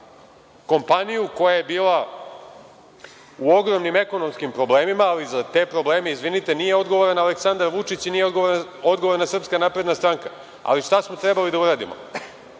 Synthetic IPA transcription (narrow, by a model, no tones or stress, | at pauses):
ko̞mpanijuko̞jaje̞biːlˠa | uo̞ɡɾo̞mnime̞ko̞nomskimpɾo̞ble̞ːmimaːlizat̪e̞ːpɾo̞ble̞ːme̞izʋinit̪e̞nije̞o̞d̪ɡo̞ʋoɾanaleksand̪aɾʋut͡ʂit͡ɕnijeoɡooɾo̞d̪ɡooɾnasrpskanapɾe̞d̪nast̪ɾaŋka | a̰liʂt̪asmo̞t̪ɾebalid̪auɾaːd̪ḭmo̰